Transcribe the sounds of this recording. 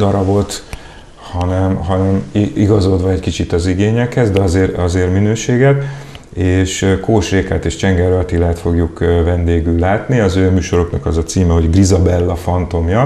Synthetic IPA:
d̪ɒɾɒbo̞lt̪ | hɒnɛmɦɒnɛmiɡɒzo̞d̪ʋɒɛckit͡ʃit̪ɒziɡeːɲɛkhɛzd̪ɛɒzeːrɒzeːrminøːʃeːɡɛt̪ | eːʃkoːʃreːka̰t̪eːʃt͡ʃɛŋɡɛɾøt̪ilaːt̪fo̞ɡjukvɛnd̪eːɡylːaːt̪niɒzøːmyːʃo̞ɾo̞knɒkɒzɒt̪siːmɛɦo̞ɟɡrizɒbɛlːɒfɒnt̪o̞mjɒ

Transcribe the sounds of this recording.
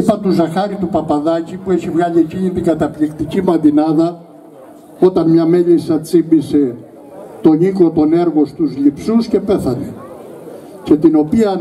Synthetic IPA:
ipɐt̪uzɐxɐɾit̪upɐpɐðɐcipue̞çivɣɐʎieciɲit̪iŋɡɐt̪ɐplikt̪icimɐnd̪inɐðɐ | o̞t̪ɐnmɲɐme̞ʎisɐt͡simbise̞ | t̪o̞ɲiklo̞t̪o̞ne̞ɾɣo̞st̪uzlipsusce̞pe̞θɐne | ce̞t̪ino̞piɐ

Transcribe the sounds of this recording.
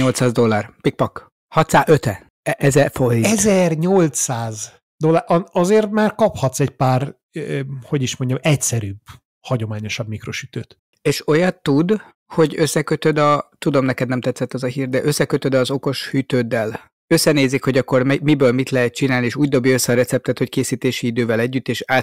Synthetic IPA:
ɲo̞lt̪saːzd̪o̞lːaːrpik̚pɒk | hɒt̪saːøt̪ɛ | ʔɛzɛfoiɛzɛrɲolt̪saːz | d̪o̞lːaːʔɒɒzeːrt̪maːrkɒphɒt̪sɛɟpaːr | ho̞ɟiʃmo̞ɲɟɒmɛcsɛɾyːb | hɒɟo̞maːɲo̞ʃɒbmikro̞ʃy̥t̪øːt̪ | eːʃo̞jɒt̪ːud̪ | ho̞ɟøsːɛkø̞t̪ød̪ɒt̪ud̪o̞mnɛkɛd̪nɛmt̪ɛt̪sːɛt̪ːɒzɒɦiːrd̪ɛʔø̞sːɛkøt̪ød̪ɒːzo̞ko̞ʃhyt̪øːd̪ːɛl | ø̞sːɛneːzːikho̞ɟɒkːo̞rmɛmibøːlmit̪lɛɦɛt̪̚t͡ʃinaːlieːʃuːɟ̚d̪o̞bjiøsːɛːɾɛt̪sɛp̚t̪ɛt̪ho̞ckeːsiːt̪eːʃiid̪øːvɛlɛɟːyt̪ːeːʃaː

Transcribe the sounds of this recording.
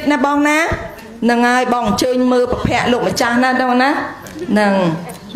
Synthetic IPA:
t̪̚naːɓɑːŋnaː | nɨŋʔaəjɓɑːŋʔəɲt͡ɕəːɲməːlpapʰɛ̆əʔloːk̚mət͡ɕahnaːɗəŋnaː | nɨŋ

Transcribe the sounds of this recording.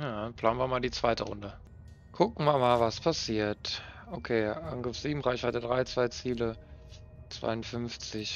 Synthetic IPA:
jaːpl̥aːnviːɐmaːldiːt͡sv̥aɪtə̰ʁʊ̰ndə | kʰʊkŋ̩mamaːlvaspʰasiːɐtʔokʰeːʔanɡʁəfz̥iːbm̩ʁaɪçv̥aɪtədʁaɪt͡sv̥aɪt͡siːlə | t͡sv̥a̰ɪʊntfʏnft͡sɪç

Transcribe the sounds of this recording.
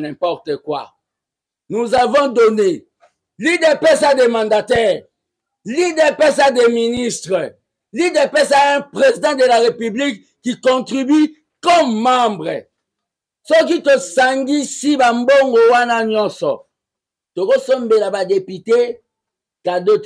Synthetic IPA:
nɛ̃pɔʁt̪əkwa̰ | nuzavɔ̃done | lidɛpɛsademɑ̃ndatɛʁ | lidɛpɛsadeministʁə | lidɛpɛs̬aɛ̃pʁezid̪ɑ̃d̪elaʁepyblikːikɔ̃tʁibi | kɔmːãmbʁə | sok̬itosaŋɡisibamboŋɡowanaɲɔsɔ̰ | tokosɔmbelabadepite | kadot

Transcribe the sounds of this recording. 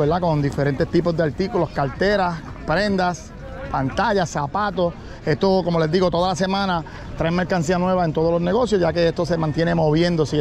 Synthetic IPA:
eɾd̪ako̞nd̪ife̞ɾe̞nt̪e̞st̪ipo̞zd̪eaɾt̪ikulo̞skalt̪e̞ɾas | pɾe̞nd̪as | pant̪aʝasːapat̪o̞ | est̪oko̞mo̞le̞zd̪iɣo̞t̪o̞ðalase̞mãna | t̪ɾaeme̞ɾkans̬ianwe̞βae̞nt̪o̞ð̞olo̞sne̞ɣo̞sjoʝake̞est̪o̞se̞mant̪jene̞mo̞βjẽ̞nd̪os

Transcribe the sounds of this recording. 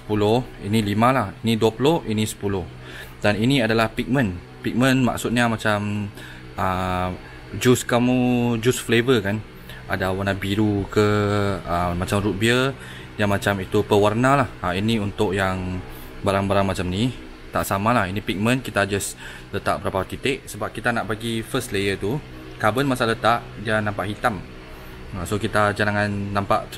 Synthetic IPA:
sə̥pulohinilimãlahiniduapulohinisə̥pulʊh | daniniadalahpik̚mə̃n | pik̚mə̃nma̰k̚sut̪̚ɲamat͡ʃam | ə | d͡ʒuskamud͡ʒusflevəkan | adawarnabiɾukəəmat͡ʃamɾut̪̚biə | diamat͡ʃamit̪upəwarnalahainiunt̪ʊʔjaŋ | baɾaŋbaɾaŋmat͡ʃamni | t̪aʔsamalahinipik̚mə̃nkit̪ad͡ʒas | lət̪aʔ̚bəɾapat̪it̪ɪʔsəbap̚kit̪anaʔbaɡifəslejət̪u | kabənmasalət̪aʔdianampaʔhit̪am | asokit̪ad͡ʒalaŋanːãmpaʔ

